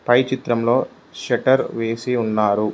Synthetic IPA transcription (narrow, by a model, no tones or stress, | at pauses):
pɐjt͡ʃit̪ɾɐmlo̞ː | ʃɐʈɐɾʋe̞ːsiunːaːɾu